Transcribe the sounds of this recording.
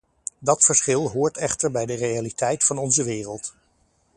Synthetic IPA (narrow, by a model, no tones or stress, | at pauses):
dɑtfəɹsχɪlˠɦʊːɹtɛχtəɹbɛjdərejalitɛjtfɑnɔnzəʋɪːrəlˠt